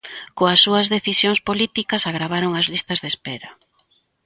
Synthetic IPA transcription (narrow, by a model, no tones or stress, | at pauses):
koɐsːuɐzðeθisjoŋspolit̪ikɐsaɣɾaβ̞aɾoŋɐzlist̪ɐzðespɛɾɐ